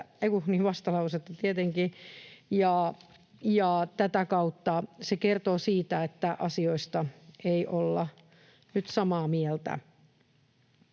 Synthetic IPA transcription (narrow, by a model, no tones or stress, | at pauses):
eikuniːʋʋɑst̪ɑlɑuset̪ːɑt̪iet̪eŋkijɑː | jɑːt̪æt̪ækɑut̪ːɑsekert̪oːsiːt̪æet̪ːæʔɑsioist̪ɑeiʔolːɑ | nyt̪sɑmɑːmiɛlt̪æ̰